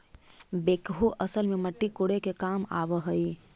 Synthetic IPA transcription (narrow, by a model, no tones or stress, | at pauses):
bekɦuʔəsəlmeməʈːikoɽekekama̰bəɦəj